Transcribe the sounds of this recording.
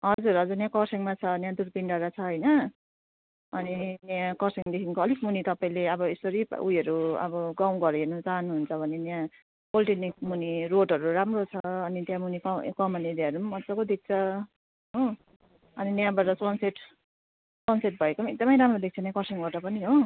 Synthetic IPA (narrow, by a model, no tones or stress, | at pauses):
ɦʌd͡zuɾɦʌd͡zuɾnjãkʌrseŋmat͡sʰʌnjãd̪uɾpiɳɖaɾat͡sʰʌɦʌjnʌ | ʌninjãkʌrseŋd̪ekʰinkoʌlikmunit̪ʌpaĩleʌbʌesoɾipʔujʌɾuʌ̰bʌɡawɡʌɾenʌt͡saɦʌnuɦunt͡sʰʌbʱʌnenjã | bolʈenikmuniɾoɖɦʌɾuɾamrot͡sʰʌːnit̪jãmunikʌkʌmʌned̪aʌɾummʌsʌkod̪ik̚t͡sʰʌ | ɦo | ʌninjãbaʈʌsʌnseʈ | sʌnseʈ̚bʱʌekomeɡ̚d̪ʌmʌjɾamrod̪ek̚t͡sʰʌnjãkʌrseŋbaʈʌpʌniɦo